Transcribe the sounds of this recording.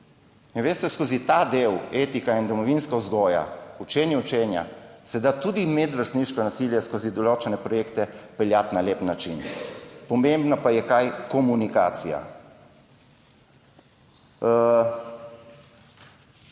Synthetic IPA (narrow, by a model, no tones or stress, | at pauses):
inʋeːst̪ɛskoːzit̪ad̪eːweːt̪ikaind̪ɔmɔʋinskauzɡɔːja̰ut͡ʃeːnjɛut͡ʃeːnja̰sɛd̪at̪ud̪imɛd̪ʋəɾst̪niʃkɔnasiljɛskozid̪ɔloːt͡ʃɛnɛpɾɔjeːkt̪ɛpɛljat̪naleːpnat͡ʃḭnpɔmembnapajɛkajkɔmunika̰ːt̪sija̰